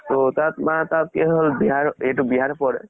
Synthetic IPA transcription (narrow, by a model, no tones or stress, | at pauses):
t̪ot̪at̪mat̪at̪̚keɦəlbiɦaɾeʈubiɦaɾpɔɾe